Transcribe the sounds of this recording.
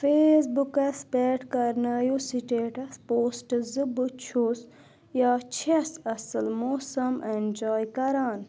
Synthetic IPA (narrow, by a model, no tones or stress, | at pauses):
feːsbukɐspeʈkɐɾnɐːjosiʈeːʈɐspoːsʈzɨbɨt͡ʃʰoːs | jaːt͡ʃʰesɐsɨlmoːsɐmʔend͡ʒaːjkɐɾaːn